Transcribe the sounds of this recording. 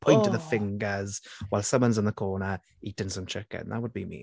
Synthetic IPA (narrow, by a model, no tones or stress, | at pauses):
pʰɔ̃j̃ntəvðəfɪ̃ŋɡəzwaɪlˠsʌ̃mwə̃nzɪ̃nðəkʰɔːnə | iːtɪ̃nsə̃mt͡ʃʰɪkɪ̰̃nðə̰ʔ̚wəd̚bimḭ